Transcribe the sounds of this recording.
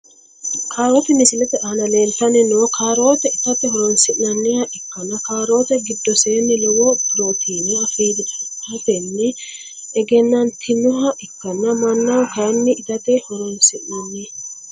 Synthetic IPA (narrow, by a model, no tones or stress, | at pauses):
kʰaːɾoːt̪ɛmɪsɪlɛt̪ɛʔanɐleːlt̪ɐnɪnoːkʰaːɾo̞ːt̪ɛɪt̪ɐt̪ɛɦɔɾɔnsɪʔnɐnːɪjɐʔɛkːɐnɐkaːɾo̞ːt̪ɛɡɪd̪ːɔseːnːɪlɔwɔpɪɾo̞ːt̪ʰiːnɛɐfiːd̪ɪɐfɛnːɪ | ɛɡɛnːɐnt̪ʰɪnʊɦɐʔɛkːɐnːɐmɐnːɐwkɐjnːɪɪt̪ɐt̪ɛhɔɾɔnsɪʔnɐnːɪ